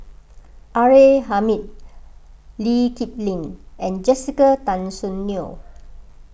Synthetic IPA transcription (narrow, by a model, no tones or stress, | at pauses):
ʔaɹeɦamit̚ | likip̚lĩnɛ̃nd͡ʒɛsikətãnsũnːio